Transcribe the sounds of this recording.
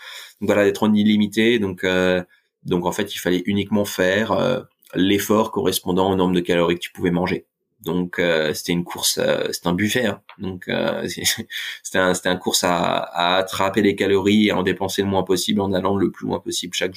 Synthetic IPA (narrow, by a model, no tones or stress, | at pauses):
d̪ɔ̃kvwalad̪ɛt̪χɔnilimit̪ed̪ɔ̃kø | d̪ɔ̃kɑ̃fɛt̪ilfalɛʔynikmɑ̃fɛʁø̰ | lefɔʁkɔʁɛspɔ̃d̪ɑ̃onɔ̃ʁmd̪əkalɔʁikə̥t̪y̥puvɛmɑ̃ʒe | d̪ɔ̃kʰøse̥t̪ɛynkʰuʁsø̰se̥t̪ɛ̃byfɛʁd̪ɔ̃kʰø̰sɛse̥t̪ɛɛ̃se̥t̪ɛɛ̃nkuʁsa̰a̰ːt̪χapelekalɔʁieaɑ̃d̪epɑ̃seləmwɛ̃pɔsiblɑ̃nalɑ̃d̪ləplyɛ̰̃pɔsiblʃak